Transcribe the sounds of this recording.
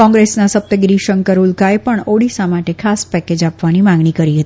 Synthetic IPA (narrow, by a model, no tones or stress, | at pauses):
kɔ̃ŋɡɾesnasəp̚t̪əɡɾiʃəŋkəɾulkaepəɳoɽisamaʈekʰaspɛked͡ʒapʋanimãŋɡɳ̃ikəɾiɦət̪ii